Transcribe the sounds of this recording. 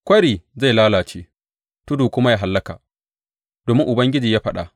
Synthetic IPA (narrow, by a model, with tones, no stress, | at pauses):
kʷɐ˦ɽiː˨za˦˨jlaː˦laː˨t͡ʃeː˦ | tʊ˦duː˨kʷʊ˦ma˦ja˦˨ɦa˨lːɐ˦ka̰˨ʔ | d̥oː˨mɪ˦ŋʔʊ˨bɐ˦ŋɡʲɪ˦d͡ʒiː˨jaː˦ɸɐ˦ɗa̰˨ʔ